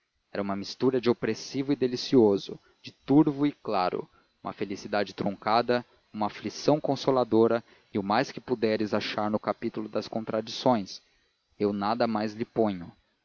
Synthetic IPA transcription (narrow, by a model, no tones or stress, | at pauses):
ɛɾɐũmɐmist̪uɾɐd͡ʒɪopɾesivʊɪd̪elisiozʊ | d͡ʒɪt̪uɾvʊɪklaɾʊ̰ | ũmɐ̰felisid̪ad͡ʒɪt̪ɾõŋkad̪ɐ | ũmɐaflisɐ̃w̃kõsolad̪oɾɐ | ɪʊmajskɪpud̪ɛɾɪzaʃaɾnʊkapit̪ʊlʊd̪ɐskõnt̪ɾad͡ʒisõj̃s | ewnad̪ɐmajzlɪpõɲʊ